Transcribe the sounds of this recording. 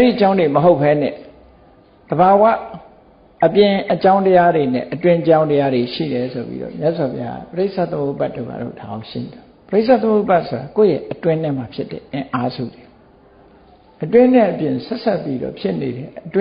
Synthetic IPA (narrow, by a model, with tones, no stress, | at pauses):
ʔɛ˦ɾi˦˨t͡ɕã˦ʊ̃nde˨məɦo˦ʊpʰːɛ˦nɛ̰̃˦˨ | d̪̥əβa˨wa̰˦˨ | əpjɪ̃˨ʔət͡ɕã˦ʊ̃ntəja˦de˨nɛ̰˦˨ʔətwɪ̃˦t͡ɕã˦ʊ̃ntəja˦de˨ʃḭ˦˨ɾɛ˨so˨pḭ˦ɾɔ̰˦˨mja˦ʔswa˨pʰja˦ɡa̰˦˨pəɹe˦ɪʔsʰa˦˨t̪əmo˦˨pa˦tːo˦˨ɡa̰˨do̰˦˨da˨ʔõ˨˦˨ʃḭ̃˦˨ɔ˨pəɾe˦ɪʔsa˦˨t̪əmo˦˨pa˦tsʰo˨ɾa˨ko˦˨jɛ˦ʔətwɪ̃˦n̥ɪ̃˦m̥a˨pʰjɪ˦tɛ˨ʔɪ̃˨ʔa˦zṵ˦˨de̥˨ | ʔətwɪ̃˦nɪ̃˦ʔəpjɪ̃˨sɛ˦sa˦˨pːi˦dɔ̰˦˨pʰjɪ˦ʔne˨ɾɛ˦˨ʔətw̃